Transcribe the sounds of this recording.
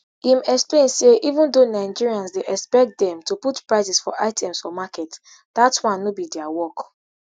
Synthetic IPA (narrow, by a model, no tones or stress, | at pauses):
ĩmɛksplẽnseʔivũndonaɪd͡ʒiɹiãnsdeʔɛkspɛk̚t̚dɛ̃mtuputpɹaɪsisfɔ̰ʔaɪtʰɛ̃msfɔmakɛt | d̥atwãnːobidɛawɔk